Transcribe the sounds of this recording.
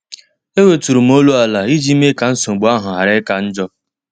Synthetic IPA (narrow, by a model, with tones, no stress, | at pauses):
e˦we˨tu˨ɾu˨m̩˦o˦lu˦a˨la˨i˦d͡ʒi˦me˦ka˨n̩˦so˨ŋ͡m̩˨ɡ͡bu˨˦a˦ɦʊ˨ɦa˨ɾe˦ka˦n̩˦d͡ʒɔ˦